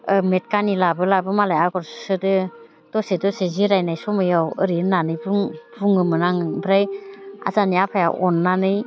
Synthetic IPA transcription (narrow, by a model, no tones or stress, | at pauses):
ɯmet̚kanilabɯlabɯmalajaɡɔɾssɯdɯ | d̥ɔsedɔseziɾajnajsɔmɯjawɯɾiɾnanɯjbuŋbuŋɯmɯnaŋɯbɾaja̰zaniapʰaja̰ʔɔnːanɯj